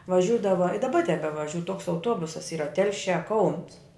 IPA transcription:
ʋɐˈʒʲuːdɐʋɐ ɪ dɐˈbɐ tʲɛbʲɛʋɐˈʒʲuː toːks ɐʊˈtuɔbʊsɐs ˈiːrɐ ˈtʲɛlʲʃʲæː kɐʊns

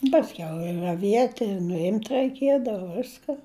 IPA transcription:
pɐsʲˈkʲɛʊ ɪ rɐˈʋʲiɛtʲ ɪr nʊˈɪmʲtʲ rɐɪˈkʲiɛdɐʋɐ ˈʋʲɪskɐ

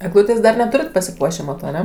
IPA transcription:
ɛɡˈlˠuːtʲeːs dɐr ˈnʲæːtʊrʲɪt pɐsʲɪˈpuɔʃʲeː ˈmɑːtoː ɐˈnʲɛ

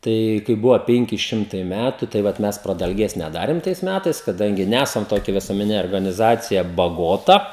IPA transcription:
ˈtɐɪ kɐɪ ˈbʊʋoː ˈpʲɛŋʲkʲɪ ˈʃʲɪmtɐɪ ˈmʲætʊ tɐɪ ˈʋɐt ˈmʲɛs prɐdɐlʲˈɡʲeːs nʲɛˈdɑːrʲeːm tɐɪs ˈmʲætɐɪs kɐˈdɐŋʲɡʲɪ ˈnʲæsɐm toːˈkʲɛ ʋʲɪsuɔmʲɛˈnʲɪnʲɛ oːrɡɐnʲɪˈzɑːt͡sʲɪjɛ bɐˈɡoːtɐ

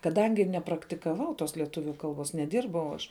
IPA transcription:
kɐˈdɐŋʲɡʲɪ nʲɛprɐktʲɪkɐˈʋɐʊ toːs lʲiɛˈtʊʋʲʊ ˈkɐlˠˌbuɔs nʲɛˈdʲɪrbɐʊ ɐʃ

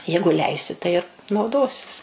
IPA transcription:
ˈjɛɪɡʊ ˈlʲɛɪsʲɪ tɐɪ ɪr nɐʊˈdoːsʲɪs

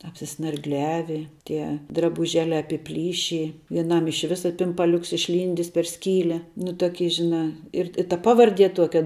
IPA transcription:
ɐpʲsʲɪsnɐrɡˈlʲæːʋʲɪ ˈtʲiɛ drɐbʊˈʒʲæːlʲæː ɐpʲɪˈpʲlʲiːʃʲɪ ʋʲiɛˈnɐm ɪʃ ˈʋʲɪsɐ pʲɪmpɐˈlʲʊks ɪʃʲˈlʲiːnʲdʲɪs pʲɛr ˈsʲkʲiːlʲɛ nʊ tuɔˈkʲiː ʒʲɪˈnɑː ɪr ɪ tɐ ˈpɑːʋɐrʲˌdʲiɛ ˈtuɔkʲɛ

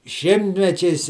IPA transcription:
ˈʃʲɪmʲtʲmʲɛt͡ʃʲɛɪs

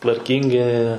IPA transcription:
tʋɐrʲˈkʲiːŋʲɡʲɪ

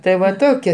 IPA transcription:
tɐɪ ˈʋɐ ˈtoːkʲɛ

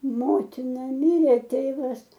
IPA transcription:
ˈmoːtʲɪnɐ ˈmʲɪrʲeː ˈtʲeːʋɐs

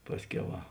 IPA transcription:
ˈpɑːsʲˌkʲɛʊ ˈʋɐ

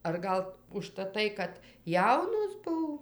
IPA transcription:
ɐr ˈɡɐlˠ ʊʃtɐˈtɐɪ kɐt ˈjɛʊnoːs ˈbʊw

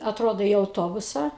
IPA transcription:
ɐtˈroːdoː iː ɐʊˈtoːbʊsɑː

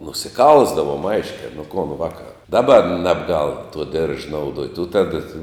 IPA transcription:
nʊsʲɪˈkɐlˠzdɐʋoːm ˈɐɪʃʲkʲɛ nʊ koːn ʋɐkɐ ˈdɑːˌbɐ ˈnʲæːbˌɡɐlˠ tuɔ dʲɪrʃ nɐʊˈduɔtʲ ʊ ˈtɑːdɐ tɐɪ

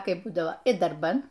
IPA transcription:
ˈkɐɪp ˈbuːdɐʋoː ɪ dɐrˈbɐn

